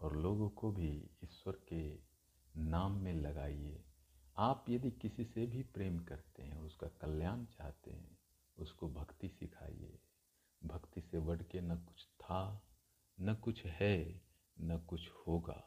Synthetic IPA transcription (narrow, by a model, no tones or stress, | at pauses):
ɔːɾloːɡõkobʱiɪswəɾke | naːmːẽlɐɡaːieː | aːpjɐd̪ikɪsisebʱipɾeːmkɐɾt̪eɦɛ̃ɔːɾʊskakɐljaːnt͡ʃaːɦt̪ḛɦɛ̰̃ | ʊskobʱɐkt̪isɪkʰa̰ːḭḛː | bʱɐkt̪iseʋɐɽ̤kenɐkʊ̥t͡ʃʰt̪ʰa | nɐkʊt͡ʃʰɦɛ | nɐkʊt͡ʃʰhoːɡa̰ː